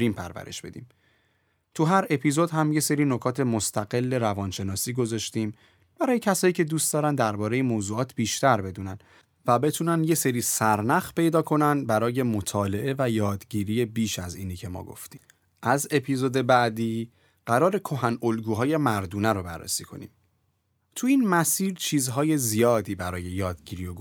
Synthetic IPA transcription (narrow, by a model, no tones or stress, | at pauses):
ɾiːmpʰæ̰ɾvæ̰ɾḛʃb̥e̞̰d̪ḭːm | t̪ʰuɦæɾe̞pʰizo̞d̪ɦæmje̞se̞ɾiːno̞kʰɒːt̪ʰe̞mo̞st̪ʰæɡe̞lːe̞ɾævɒːnʃe̞nɒːsiːɡo̞zɒːʃt̪iːm | b̥æɾɒːje̞cʰæsɒːjiːcʰe̞d̪uːst̪d̪ɒːɾænd̪æɾbɒːɾe̞jemoːzuːɒːt̪ʰb̥iːʃt̪ʰæɾbe̞d̪uːnæn | væbe̞t̪ʰunænd̪je̞seɾiːsæɾnæxpʰe̞jd̪ɒːkʰo̞nænbæɾɒːje̞mo̞t̪ʰɒːle̞ʔe̞væjɒːd̪ɟiːɾiːje̞biːʃæzḭːniːcʰe̞mɒ̰ːɡo̞̰ft̪iː | ʔæze̞pʰiːzod̪e̞bæʔd̪iː | ɢ̥æɾɒːɾe̞kʰo̞ɦænolɡuːɦɒːje̞mæɾd̪uːnæɾobærːḛsiːkʰo̞̰nḭːm | t̪ʰuinmæsiːɾt͡ʃʰiːzɦɒːje̞zijɒːd̪iːbæɾɒːje̞jɒːd̪ɟiːɾiːjoɡ